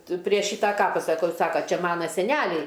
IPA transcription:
ˈtʊ pʲrʲiɛ ˈʃʲiːtɑː ˈkɑːpɐ sɐˈkɐʊ ˈsɑːkoː ˈt͡ʃʲɛ ˈmɑːnɐ sʲɛˈnʲælʲɛɪ

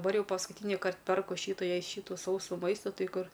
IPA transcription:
dɐˈbɐr ˈjɛʊ pɐskʊˈtʲiːnʲɪkɐrt ˈpʲɛrkʊ ˈʃʲiːtʊ ˈjɛɪ ˈʃʲiːtʊ ˈsɐʊsuː ˈmɐɪstʊ ˈtɐɪ ˈkʊr

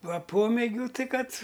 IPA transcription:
ˈʋɐ ˈpoːmʲeːɡʲuː ˈtɐɪ ˈkɐt

